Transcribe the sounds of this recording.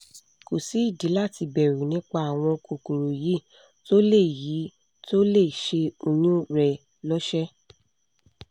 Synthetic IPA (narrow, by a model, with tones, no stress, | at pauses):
ko˨si˨˦i˦˨di˨˦la˦˨ti˧bɛ˨ɾu˨nĩ˨˦k͡pa˧˦a˨w̃ɔ̃˧ko˨ku˨ɾo˨ji˨˦ | to˦le˦˨ji˨˦ | to˦le˦˨ʃe˧o˧jũ˦ɾɛ˨ | lɔ˦ʃɛ˦